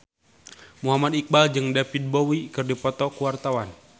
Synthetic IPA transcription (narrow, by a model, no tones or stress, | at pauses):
muɦamad̪ik̚bald͡ʒɨŋdapid̪̚bowikɨrdipɔt̪ɔkuwart̪awan